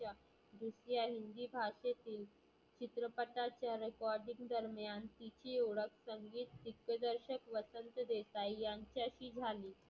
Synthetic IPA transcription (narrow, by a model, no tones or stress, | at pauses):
a | d̪ɾusjaɦind̪iːbʱaʂet̪iːl | t͡ɕit̪ɾəpəʈ̪at͡ɕjaɾekɔɾɖĩŋɡd̪əɾmjant̪it͡ɕiːoɽəkʰsəŋɡiːt̪ːikːəd̪əɾɕəkʋəsənt̪əd̪esajjãɲt͡ɕjaɕiːd͡zʱaliː